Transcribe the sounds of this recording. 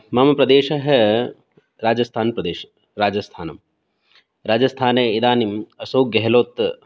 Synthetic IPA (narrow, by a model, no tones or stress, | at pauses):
mɐmɐpɾɐd̪eːʃɐɦe | ɾaːd͡ʒɐst̪ʰaːnpɾɐd̪eːʃɐ̥ | ɾaːd͡ʒɐst̪ʰaːnɐm | ɾaːd͡ʒɐst̪ʰaːneid̪aːnimɐsoːk̚ɡɐɦloːt̪